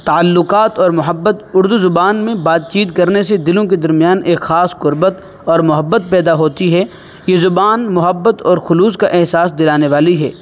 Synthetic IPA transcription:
t̪aəlːʊqaːt̪ɔːɾmʊɦəbːət̪ʊɾd̪uzʊbaːnmẽbaːd̪̚t͡ʃiːt̪kɐɾnesed̪ɪlõked̪ɐɾmijaːneːkxaːsqʊɾbət̪ | ɔːɾmʊɦəbːət̪̚pɛːd̪aɦoːt̪iɦɛ | jezʊbaːnmʊɦəbːət̪ɔːɾxʊluːskaʔɛɦsaːs̬d̪ɪlaːneʋaːliɦɛ̰ː

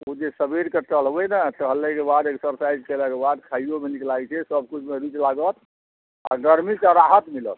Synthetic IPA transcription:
od͡ʒesəbiɾket͡ʃəl̤ɦbɛnat̪əɦlekebad̪eksəɾsajd͡ʒkeləkebad̪kʰaijomeniklat͡ʃʰɛsəb̚kut͡ʃʰmeɾit͡ʃlaɡət̪ | a̰ɡəɾmisəɾaɦət̪milət̪

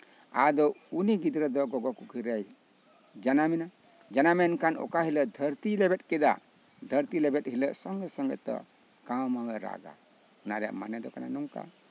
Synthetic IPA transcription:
ad̪ɔuniɡid̪ɾəd̪ɔɡɔɡɔkukʰiɾaj | d͡ʒanamɛna | d͡ʒanamɛnkanɔ̰kaɦiləʔd̪ʱəɾt̪ilɛbɛt̪̚kɛd̪a̰ | d̪ʱəɾt̪ilɛbɛt̪ɦiləʔsɔŋɡəsɔŋɡət̪ːɔ̰ | kammawɛɾa̰ɡa̰ | ɔnaɾɛa̰ʔmanɛd̪ɔkana̰nuŋka̰

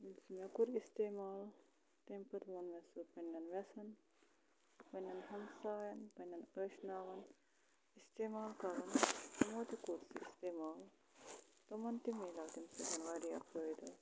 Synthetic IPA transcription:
minsimʲɐkuɾist̪eːmaːl | t̪empɐt̪monmʲɐsupɐnʲːɐnʋɐsɐn | pɐnʲːɐnɦɐnsaːjɐnpɐnʲːɐnəːʃnaːʋɐn | ist̪eːmaːlkɐɾɐnt̪ɐmoːt̪ikuɾsɨ̰ist̪eːmaːl | t̪omɐnt̪imeːlaːt̪imsɐd͡ʒɐnʋaːɾiɐ̰pɾɐːjd̪ɐ

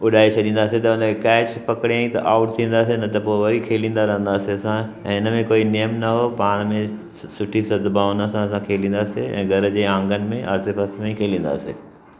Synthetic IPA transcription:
ʊɗaːit͡ɕʰɐɗĩːn̆d̪aːset̪ɐʊ̃nkɛːt͡ɕpɐkɪɽãĩt̪ɐ̰ʔaːʊʈt̪ʰĩːn̆d̪aːsenɐt̪ɐpoːʋɐɾikʰeːlĩːnd̪aɾɐɦə̃nd̪aːseɐsãɛ̃ːɪnəmẽkoːinijəmnɐɦopaːɽ̃mẽ | sʊʈʰisɐd̪ʱbaːʊnɐsãɐs̬ãkʰeːlĩːnd̪aːseɛ̰̃ːɡʱɐɾd͡ʑeːãːŋɡənɪ̆mẽʔa̰ːsepɐsmẽkʰeːlĩːn̆d̪a̰ːsḛː

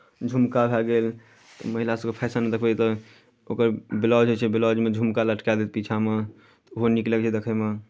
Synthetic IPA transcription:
d͡ʒʱumkabʱɛlɡel | t̪ɔməɦilasəbkepʰɛsaned̪əkʰbɛt̪ɔ | okəɾbilɔd͡ʒɦot͡ʃʰɛbilɔd͡ʒmed͡ʒʱumkaləʈkad̪et̪̚pit͡ʃʰame | t̪ɔoɦonikləkt͡ʃʰɛd̪ekʰɛme

